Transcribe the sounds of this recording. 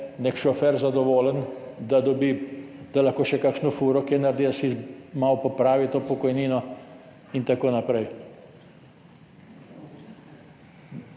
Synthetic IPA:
nekʃɔfɛɾzad̪ɔʋoːlənd̪ad̪ɔbid̪̥alaxkoːʃɛkakʃnɔfuːɾɔkɛnaɾd̪id̪asimawpɔpɾaːʋit̪oːpɔkɔjniːnɔ | int̪akoːnapɾɛj

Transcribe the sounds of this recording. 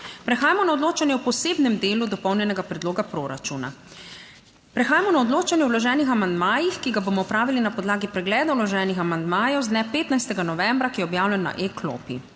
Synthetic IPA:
pɾɛxaːjamɔnaɔd̪loːt͡ʃanjɛwpɔseːbnɛmd̪eːlud̪ɔpɔwnjɛnɛɡapɾɛd̪loːɡapɾoːɾat͡ʃuna̰ | pɾɛxaːjamɔnaɔd̪loːt͡ʃanjɛwlɔʒɛːnixamand̪maːjixkiɡaboːmɔwpɾaːʋilinapɔd̪laːɡipɾɛɡlɛːd̪awlɔʒɛːnixamand̪maːjɛwzd̪nɛpeːt̪najst̪ɛɡanɔʋɛmbɾakijɛɔbjaːwlɛnːa̰ʔekʰlo̰pḭ

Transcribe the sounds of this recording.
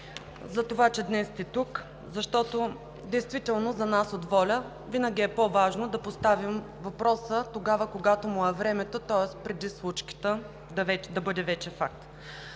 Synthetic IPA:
zɐt̪ovat͡ʃɛd̪nɛst̪ɛt̪uk | zɐʃt̪ɔt̪o | d̪ɛjst̪vit̪ɛlˠnozɐnasod̪vɔlʲə | vinəɡʲiɛpovaʒnod̪ɐpost̪avim | vɐpɾɔsət̪oɡavəkoɡat̪omʊɛvɾɛmɛt̪ot̪ɔɛspɾɛd̪islˠut͡ʃki̥t̪ə | d̪ɐvɛd̪ɐbɤd̪ɛvɛt͡ʃɛfak̚t̪

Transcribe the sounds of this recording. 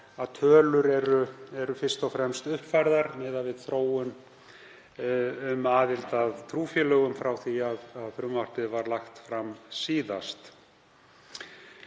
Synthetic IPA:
aðt̪ʰœːlʏɾɛɾʏɛɾʏfɪr̥st̪ɔwfɾɛmst̪ʏhpfajɾðaɾmɛːðavɪð̥θɾoːwʏn | ʏmaːðɪlt̪aðt̪ʰɾuːfjɛlœɣʏmfɾawθiaðaðfɾʏmvar̥pɪðvaɾlaxt̪fɾamsiːðast̪

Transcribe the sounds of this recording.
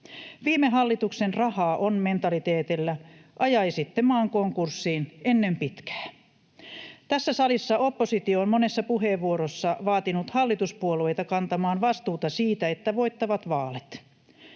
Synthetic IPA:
ʋiːmeɦɑlːit̪uksenrɑhɑːʔonme̞nt̪ɑlit̪eːt̪ilːæʔɑjɑisit̪ːemɑːŋkoŋkursːiːnenːempit̪kæ̥ː | t̪æsːæsɑlisːɑʔo̞pːo̞sit̪ioːnmonesːɑpuɦeʋʋːuoɾosːɑʋɑːt̪inut̪hɑlːit̪uspuolue̞jt̪ɑkɑnt̪ɑmɑːnʋɑst̪uːt̪ɑsiːt̪æet̪ːæʋo̞jt̪ːɑʋɑt̪ʋɑːlet̪

